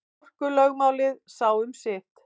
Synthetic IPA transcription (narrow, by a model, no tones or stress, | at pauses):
r̥kʏlœɣmaːwlɪðsaːwʏmsɪt̪